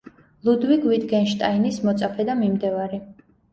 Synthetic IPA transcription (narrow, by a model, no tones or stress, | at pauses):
lˠud̪wiɡwid̪ɡɛnʃt̪ʼainismɔt̪sʼapʰɛd̪amimd̪ɛvaɾi